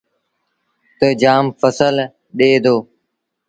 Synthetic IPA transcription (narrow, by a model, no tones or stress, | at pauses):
t̪əd͡ʒaːmfəsəl | ɗeːd̪oː